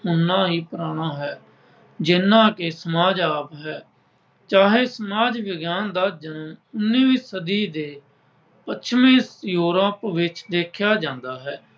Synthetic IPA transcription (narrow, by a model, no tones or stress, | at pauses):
ʊnːãːɦiːpɾaːɽ̃aːɦɛː | d͡ʒɪnːãːkeːsəmaːd͡ʒaːpɦɛː | t͡ʃaːɦeːsəmaːd͡ʒʋɪɡjaːnd̪aːd͡ʒənəʊnːiːʋĩːsəd̪iːd̪eː | pət͡ʃʰmẽːjuːɾəpʋɪt͡ʃd̪eːkʰjaːd͡ʒãːnd̪aːɦɛː